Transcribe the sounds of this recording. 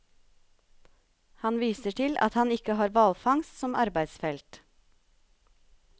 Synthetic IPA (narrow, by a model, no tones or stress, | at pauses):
hɑnʋiːsəʈʰɪlʔɑ̰t̪hɑnɪkəhɑːɾʋɑlfɑŋst̪sɔmʔɑɾbæɪsfɛlt̪